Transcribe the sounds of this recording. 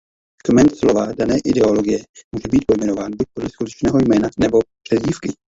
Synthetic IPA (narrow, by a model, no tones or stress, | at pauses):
kmɛnt̪slovadanɛːʔɪdɛo̞lo̞ɡɪjɛmuʒɛbiːt̪̚po̞jmɛnovaːnbuc̚po̞dlɛskut̪ɛt͡ʃnɛːɦo̞jmɛːnanɛbo̞pr̥ɛzɟiːfkɪ